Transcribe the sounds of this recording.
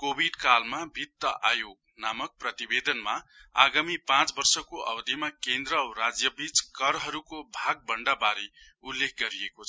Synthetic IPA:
kobʱiɖkalmabʱit̪ːʌʔajoɡ̚ | namʌk̚prʌt̪ibed̪ʌnmaa̰ɡamipãt͡sbʌrsʌkoʔʌwd̪imakend̪ɾʌɾad͡zjʌbit͡skʌɾɦʌɾukobʱaɡ̚bʌɳɖabaɾi | ulːek̚ʰɡʌɾiekot͡sʰʌ

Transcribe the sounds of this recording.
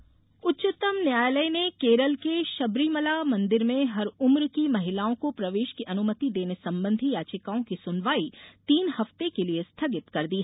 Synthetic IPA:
ʊtːt͡ʃʊt̪əmnjaːjləjnekeːɾəlkeʃɐbɾiːməlamɐ̃nd̪ɪɾmẽɦɐɾʊmɾkimɐɦɪlaːõkopɾɐʋeːʃkiʔɐnʊmət̪id̪eːnesɐ̃mbə̃nd̪ʱijaːt͡ʃɪkaːõkisʊnʋaːit̪iːnhɐft̪ekeliest̪ʰɐɡɪt̪kɐɾd̪iːɦ

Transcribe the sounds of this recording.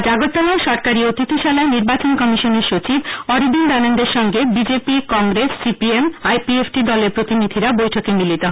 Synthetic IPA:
d͡ʑaɡot̪ːalaʃɔɾkaɾiot̪it̪ʰoʃalaeniɾbat͡ɕonkɔmiʃoneɾʃot͡ɕibɔɾib̪ind̪anond̪eɾʃɔŋɡebid͡ʑepikɔŋɡɾesːipiemajpiefʈid̪ɔleɾpɾot̪inid̪ʱiɾabojʈʰokemilit̪oɦ

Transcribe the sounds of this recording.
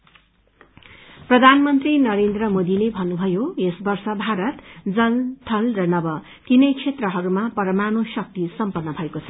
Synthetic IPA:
prʌd̪ʱanmʌnt̪rinʌɾend̪rʌmod̪ilebʱʌnːubʱʌjoesbʌrsʌbʱaɾʌt̪d͡zʌlt̪ʰʌlrʌnʌbʌ | kinʌjt͡sʰet̪rʌɦʌɾumapʌɾʌmanosʌk̚t̪isʌmpʌrnːʌbʱʌekot͡sʰʌ̥

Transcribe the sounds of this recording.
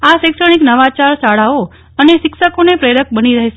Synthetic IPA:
aʃekʃəɳ̃iknəʋat͡ʃaɾsaɭao | əneʃɪkʃəkonepɾeɾək̚bəniɾəɦeʃe

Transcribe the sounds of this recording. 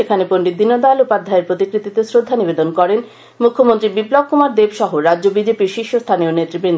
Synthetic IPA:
ekʰaneponɖid̪inːod̪alupad̪ʱaeɾpɾot̪ikɾit̪it̪esɾod̪ʱːanibed̪onkɔɾen | mukʰːomont̪ɾibiblɔkkumaɾd̪ebʃɔɦoɾadʑobid͡ʑepiɾʃiʃːost̪ʰanionet̪ːɾibɾind̪

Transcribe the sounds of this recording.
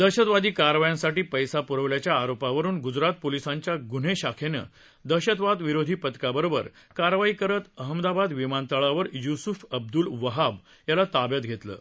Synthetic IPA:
d̪əɕət̪ʋad̪iːkaɾʋajãsaʈiːpəjsapuɾəʋljat͡ɕjaːɾopaʋəɾuːnɡud͡zɾat̪̚polisãɲt͡ɕjaɡun̤eɕakʰenə̰ | d̪əɕət̪ʋad̪ʋiɾod̪ʱiːpət̪kabəɾobə̰ɾ | kaɾʋaikəɾət̪əɦəmd̪abad̪ʋimant̪əɭaʋəɾjusufəb̚d̪ulʋəɦab | jalat̪abjət̪̚ɡʱet̪lə̰ː

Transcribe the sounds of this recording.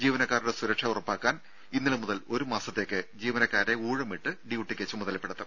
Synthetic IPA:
d͡ʑiːʋɐnɐkːaːɾuɽesuɾɐkʂɐurɐpːaːkːaːn | inːiɭumuðɐlo̞ɾumaːsɐt̪ːe̞ːkːɨd͡ʑiːʋɐnɐkːaːɾɾe̞uːɻɐmiʈːɨɖiuʈːikʲːet͡ɕːumuðɐlpːeɽɐt̪ːɐ

